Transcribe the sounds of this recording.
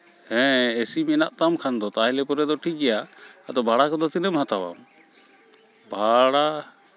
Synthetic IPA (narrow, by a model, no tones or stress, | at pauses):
hɛ̃esimɛnaʔt̪amkʰand̪ɔt̪aɦɛlɛpɔɾɛd̪ɔʈʰiɡɛjaːd̪ɔbʱaɽakɔd̪ɔt̪inɛmɦat̪awa̰m | bʱaɽa